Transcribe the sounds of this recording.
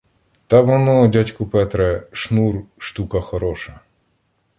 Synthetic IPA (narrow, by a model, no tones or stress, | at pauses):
t̪abɔnɔdʲatʲkʊpɛt̪ɾɛʂnurʂt̪ukɐxɐɾɔʂɐ